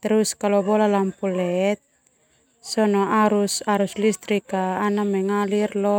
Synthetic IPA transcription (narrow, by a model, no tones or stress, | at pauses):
t̪ɛɾuskalɔbɔlalampulɛt̪̚ | sɔnɔʔaɾusaɾuslist̪ɾikaːnamɛŋalirlɔ